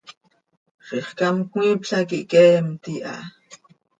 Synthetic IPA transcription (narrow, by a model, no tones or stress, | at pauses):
χiχkamkŋʷipɬakiʔkeːmt̪iʔa̰